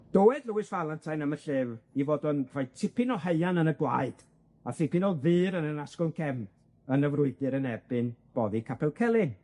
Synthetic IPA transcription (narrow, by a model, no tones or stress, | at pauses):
d̥ɔwɛdləwɨsvalˠantʰajnəməɬɨːvivoːdɔnr̥ajtʰɪpɪnɔɦeɨanənəɡwa̰ɨd̥ | aθɪpɪnɔlˠðɨːɾənənaskɔlˠnkʰɛm | ənəvrʊɨɡɨɾənɛbɨnb̥ɔðikʰapʰɛlˠkʰɛlˠɪŋ